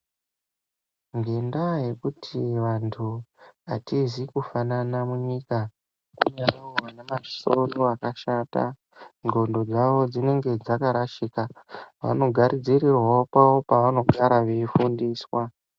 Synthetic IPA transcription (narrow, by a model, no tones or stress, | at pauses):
ŋɡendaje̞kutʰiʋantʰuatizikufananamuɲika | kuɲarawanemaso̞noakaʃata̰ | ŋɡo̞ndo̞d͡zaʋo̞d͡zine̞ŋɡe̞d͡zakaɾaʃikaʋa̰no̞ɡʱaɾid͡zirirwaopawopaʋano̞ɡʱaɾaʋeifundiːswa